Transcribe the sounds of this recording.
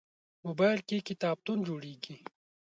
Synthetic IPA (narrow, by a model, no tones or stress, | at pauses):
moːbaːjlkikit̪aːb̚t̪und͡ʒuːɽiːɡi